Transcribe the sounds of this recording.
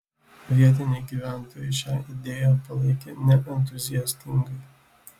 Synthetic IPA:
ʋʲiɛt̪ʲɪnʲeɪɡʲiːʋʲæˑnt̪oːjɛʃʲæːʔɪd̪ʲeːjɛpɐlˠɐɪkʲḛnʲɛʔɛnʲt̪ʊzʲɪjɛsʲt̪ʲɪŋɡɐɪ

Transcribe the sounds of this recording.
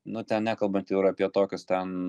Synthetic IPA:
nʊt̪ʲɛnnʲæːkɐlˠbɐnt̪ɪɾɐpʲiɛt̪oːkʲʊst̪ʲɛn

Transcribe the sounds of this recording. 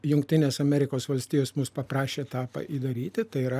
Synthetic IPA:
jʊŋkt̪ʲɪnʲeːsɐmʲɛɾʲɪkoːsʋɐlʲsʲt̪ʲiːjoːsmʊspɐpɾɑːʃʲeːt̪ɑːpɐ̰ʔiːd̪ɐɾʲiːt̪ʲɪt̪ɐɪiɾɐ

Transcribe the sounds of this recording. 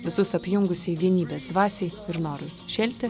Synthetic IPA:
ʋʲɪsʊsɐpʲjʊŋɡʊsʲɪiʋʲiɛnʲiːbʲeːsd̪ʋɑːsʲɛɪɪɾnoːɾʊʃʲɛːlʲt̪ʲɪ

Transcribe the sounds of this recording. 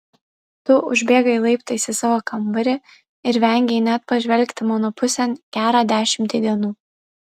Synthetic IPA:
t̪ʊʔʊʒʲbʲeːɡɐɪlˠɐɪpt̪ɐɪsʲɪsɑːʋoːkɐmbɐɾʲɪ | ɪɾʋʲɛˑŋʲɡʲeɪnʲæt̪pɐʒʲʋʲɛlʲkt̪ʲɪmonɔpʊsʲɛnkʲæːɾɑːd̪ʲæːʃʲɪmʲt̪ʲid̪ʲiɛnuː

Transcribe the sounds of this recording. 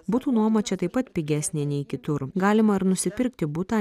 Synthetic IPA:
buːt̪uːnuɔmɐt͡ʃʲɛt̪ɐɪpːɐt̪pʲɪɡʲæːsʲnʲeːnʲɛɪkʲɪt̪ʊɾɡɑːlʲɪmɐɪɾnʊsʲɪpʲɪɾʲk̚t̪ʲɪbut̪ɑ

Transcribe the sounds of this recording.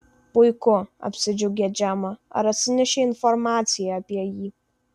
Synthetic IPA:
pʼujkʰʷʊa̰pʰsɨd͡ʒoɡʲad͡ʒaːmaa̰ɾasɨnʲɛʃeinformat͡sʰijaːpʼijaji

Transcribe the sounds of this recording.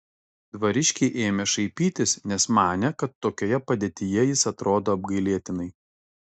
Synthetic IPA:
d̪ʋɐɾʲɪʃʲkʲɪʔeːmʲɛʃɐɪpʲiːt̪ʲɪsnʲɛsmɑːnʲɛkɐt̪ːoːkʲoːjɛpɐd̪ʲeːt̪ʲɪjɛjɪsɐt̪ɾoːd̪oːɐb̚ɡɐɪlʲiɛt̪ʲɪnɐɪ

